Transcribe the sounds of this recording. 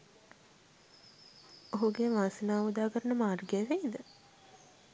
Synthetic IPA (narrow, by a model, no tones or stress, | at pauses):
oɦuɡeʋaːsinaːmud̪aːkəɾənəmaːrɡeʋeid̪ə